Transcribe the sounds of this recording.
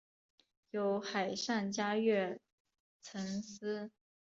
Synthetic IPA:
jo˧˥ʊxa˨˩ɪʂa˥˩nt͡ɕja˥ɥɛ˥˩ | t͡sʰə˧˥ns̩˥

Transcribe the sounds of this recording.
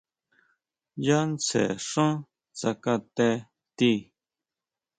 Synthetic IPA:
ja˦nt͡sḛ˨ʂũ˦ | t͡sa˧ka˧t̪e˧ | t̪i˧

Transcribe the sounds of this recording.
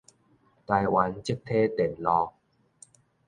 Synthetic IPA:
t̪a˧jwa˨˦nt͡ɕi˦˥˦k̚t̪ʰe˦t̪e˨˩nlɔ˧

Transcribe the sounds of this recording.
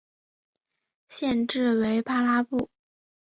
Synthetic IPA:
ɕjɛ˥˧nʈ͡ʂɻ̩˥˩we˧˥ɪpa˥la˥pu˥˩

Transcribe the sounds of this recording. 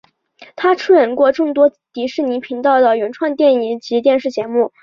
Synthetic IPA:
t̪ʰa˥ʈ͡ʂʰu˥˩ɻə˧˥nkwɔ˥˧ʈ͡ʂɤ˥˩ŋt̪wɔ˥ | t̪i˧˥ʂɻ̩˥˩ni˧˥pʰi˧˥ŋt̪ɑ˥˩ʊd̪ə˩ɥɛ˧˥nʈ͡ʂʰwa˥˧nt̪jɛ˥˩ni˧˥ŋt͡ɕi˧˥t̪jɛ˥˧nʂɻ̩˥˩t͡ɕjɛ˧˥mu˥˩

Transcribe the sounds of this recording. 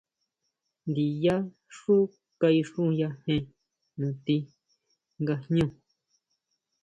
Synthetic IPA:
nd̪i˨ja˦ | ʂu˦ | ka˧i˧ʂũ˦˧ja˧hẽ˧ | nũ˨t̪i˧ | ŋɡa˧hɲũ˦˨

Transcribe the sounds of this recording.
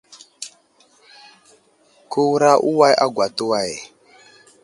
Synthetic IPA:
ku˦wu˦ɾa˦ʔu˦wa˦jʔa̰˦ɡwa˨tu˦wa˦˨je˨

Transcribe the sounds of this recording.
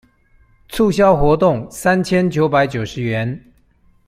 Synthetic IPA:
t͡sʰu˥˨ɕ̬jɑ˦ʊxwɔ˧˥t̪ʊ˥˩ŋsa˦nt͡ɕʰjɛ˦nt͡ɕjo˧˦ʊpa˧˥ɪt͡ɕjo˨˩ʊʂɻ̩˧˦ɥɛ˨˧˦n

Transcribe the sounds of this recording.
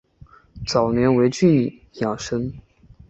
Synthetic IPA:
t͡sɑ˨˩ʊnjɛ˧˥nwe˧˥ɪt͡ɕy˥˧i˥˩ | xjɑ˨˩ŋʂə˥ŋ

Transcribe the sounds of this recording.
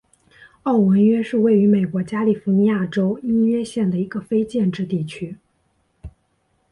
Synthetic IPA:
ɑ˥˩ʊwə˧˥nɥɛ˥ʂɻ̩˥˧we˥˩ɪy˧˥me˨˩ɪkwɔ˧˥t͡ɕja˥li˨˩fu˧˥ni˧˥ja˥˩ʈ͡ʂo˥ʊi˥nɥɛ˥˧ɕjɛ˥˩nd̪ə˩i˧˥ɡə˧fe˥ɪt͡ɕjɛ˥˧nʈ͡ʂɻ̩˥˧t̪i˥˩t͡ɕʰy˥

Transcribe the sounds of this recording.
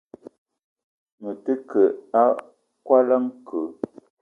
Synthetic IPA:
mə˨tə˦kə˨a˦ | kwa˦la˦ŋkʰə˨˦

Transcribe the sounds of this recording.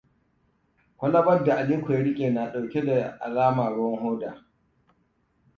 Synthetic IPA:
kʷɔ˦la˦bɐ˦dːa˨ʔa˨liː˦kɔ˨jɾɪ˦kʲʼe˨na˨ɗa˨wkʲɛ˦da˨ʔa̰˨laː˦maː˨ɽɔ˦ŋhoː˦daː˨

